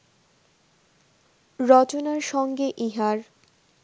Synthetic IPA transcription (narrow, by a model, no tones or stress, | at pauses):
ɾɔt͡ɕonaɾʃɔŋɡeʔiɦaɾ